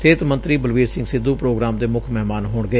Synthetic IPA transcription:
seːt̪mə̃nt̪ɾiːbəlʋiːɾsɪ̃ŋɡsɪd̪ːuːpɾoːɡɾaːmd̪eːmʊkʰmɛɦmaːnɦoːɳɡəeː

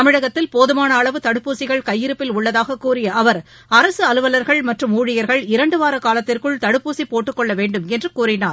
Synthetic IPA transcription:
ɐmɪɻɐɣɐt̪ːɪlpoːðɯmaːnɐːɭɐʋɯt̪ɐɽɯpːuːsɪɣɐɭkɐjːɪɾɯpːɪlʊɭːɐðaːɣɐkːuːrɪjɐʔɐʋɐɾ | ɐɾɐsɯɐlɯʋɐlɐɾɣɐɭmɐʈrɯmuːɻɪjɐɾɣɐɭɪɾɐɳɖɯʋaːɾɐkaːlɐt̪ːɪrkɯɭt̪ɐɽɯpːuːsipoːʈːɯkːɔɭːɐʋeːɳɖɯmɛndrɯkuːrɪnaːɾ

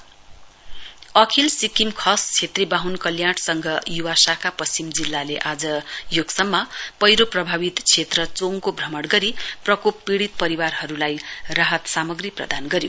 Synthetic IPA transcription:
ʌkʰilsikimkʰʌst͡sʰet̪ribaɦunkʌljaɽsʌŋɡʱʌjuwasakapʌst͡simd͡zilːaleʔad͡zʌjoɡsʌmːʌpʌjɾoprʌbʱabit̪t͡sʰet̪rʌt͡soŋkobʱrʌmʌɽɡʌɾiprʌkopːiɽit̪̚pʌɾiwarɦʌɾulajraɦʌt̪samʌɡriprʌ̰d̪ʱanɡʌɾjo

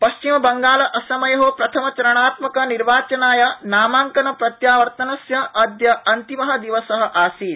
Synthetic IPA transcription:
pɐʃt͡ʃimɐbɐŋɡaːlɐʔɐsɐmɐjɐɦoːpɾɐt̪ʰɐmɐt͡ʃɐɾɐɳaːt̪mɐkɐniɾʋaːt͡ʃɐnaːjɐnaːmaːŋkɐnɐpɾɐt̪jaːʋɐɾt̪ɐnɐsjɐʔɐd̪jɐʔɐnt̪imɐɦɐd̪iʋɐsɐɦɐ̆ʔaːsiːl

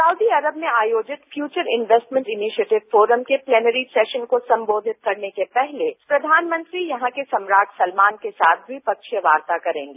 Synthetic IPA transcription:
saʊd̪iɐɾəbmẽaːjoːd͡ʒɪt̪fjuːt͡ʃəɾɪnʋeːsʈmɛ̃ɳʈɪniʃieːʈɪʋfoːɾəmkeplɛːnəɾisɛːʃənkosɐ̃mboːd̪ʱɪt̪̚kɐɾnekepɛɦlepɾɐd̪ʱaːnmɐ̃nt̪ɾijɐɦãkesɐ̃mɾaːʈʰsɐlmaːnkesaːt̪ʰʋipɐkʃjəʋaːɾt̪akɐɾḛ̃ːŋɡeː

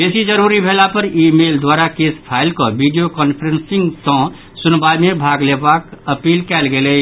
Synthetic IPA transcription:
besid͡ʒəɾuɾibʱelapəɾimeld̪waɾakespʰaɪlkɔbiɖijokɔnpʰɾensiŋɡt̪ɔ̃ | sunbajmebʱaɡlebakəpiːlkɛlɡelɛ

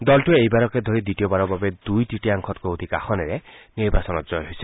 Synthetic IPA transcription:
d̪ɔlʈuejbaɾɔked̪ʱoɾid̪iʈiɔbaɾɔbabed̪ujʈiʈiaŋkʰɔt̪kood̪ʱikaxʰɔneɾeniɾbasɔnɔd͡ʒɔjɦojse̥

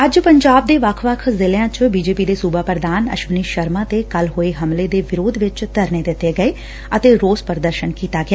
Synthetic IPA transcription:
əd͡ʒpəɲd͡ʒaːb̚d̪eːʋəkʰʋəkʰzɪljãːt͡ʃbiːd͡ʒeːpiːd̪eːsuːbaːpəɾd̪aːnə̰ʃʋəniːʃəɾmãːt̪eːkəlɦoːeːɦəmleːd̪eːʋɪɾoːd̪ʋɪt͡ʃt̪əɾneːd̪ɪt̪ːeːɡəeː | ət̪eːɾoːspəɾd̪əɾʃənkiːt̪aːɡɪaː

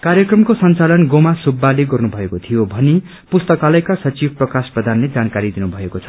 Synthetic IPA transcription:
karjʌkrʌmkosʌnt͡salʌnɡomasubːaleɡʌrnubʱʌekot̪ʰijobʱʌni | pust̪ʌkalʌjkasʌt͡sib̚ʱprʌkasprʌd̪ʱanled͡zankaɾid̪inubʱʌekot͡sʰʌ̥

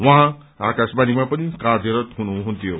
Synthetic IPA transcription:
wʌɦã | akasbanimãpʌnikaɾjʌɾʌt̪ɦunuɦũnt̪ʰjo

